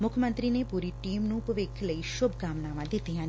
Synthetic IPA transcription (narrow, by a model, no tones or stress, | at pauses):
mʊkʰmə̃nt̪ɾiːnepuːɾiʈiːmnũːpəʋeːkʰləiːʃʊbkaːmnaːʋãd̪ɪt̪ːiɦãː